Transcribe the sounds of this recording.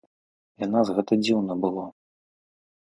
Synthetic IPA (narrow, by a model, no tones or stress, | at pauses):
janazɣɛt̪ɐd͡zʲiwnɐbɨlˠɔ